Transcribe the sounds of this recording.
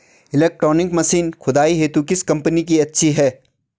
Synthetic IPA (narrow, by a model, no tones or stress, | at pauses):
ɪleːk̚ʈɾɔːnɪkmɐsiːnxʰʊd̪aːiɦeːt̪ukɪskɐ̃mpənikiɐtːʃʰiɦɛː